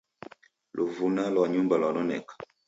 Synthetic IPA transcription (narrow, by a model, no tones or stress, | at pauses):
lʔovunalɔaɲumbalanɔnɛ̰k